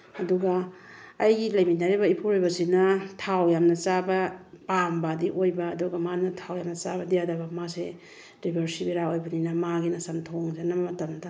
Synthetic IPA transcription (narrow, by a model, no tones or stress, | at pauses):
ɐduɡɐː | jɡilɐjminaɾibɐipʰuɾojbɐsinɐtʰawjamnɐt͡ʃabɐpambadiʔojbɐːduɡɐmanɐtʰawjamnɐt͡ʃabɐdijadɐbɐmase | ɾibʱeɾsibiɾaojbaninɐmaɡinɐsɐntʰoŋzenɐmmɐtɐmdɐ